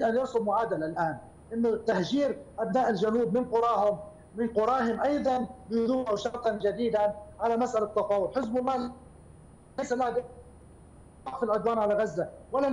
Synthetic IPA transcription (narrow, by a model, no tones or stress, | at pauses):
d̪ʔanjɑɾsˤʊbmʊʕaːd̪alalʔaːn | ʔɪnːʊt̪ːahʒiːɾʔabnaːʔɪlʒanuːbmɪnqʊɾˤɑːɦʊm | mɪnqʊɾˤɑːɦʊmʔɑjd̪ˤɑnbɪjðuːmawʃɑɾt̪ˤɑnʒad̪iːd̪anʕalamasʔalat̪ːɑfɑːwʊlħɪzbɑlˤːɑː | asalːaːhd̪ | ɑʔfɪlʕʊd̪waːnʕalaɣazːawala